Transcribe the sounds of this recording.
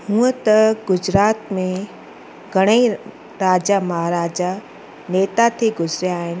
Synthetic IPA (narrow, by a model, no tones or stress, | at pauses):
hũːət̪ɐɡʊd͡ʑɾaːt̪mẽ | ɡʱɐɽ̃ei | ɾaːd͡ʑamɐɦaːɾaːd͡ʑa | neːt̪at̪ʰeɡʊzɾjaːɦɪnɪ̆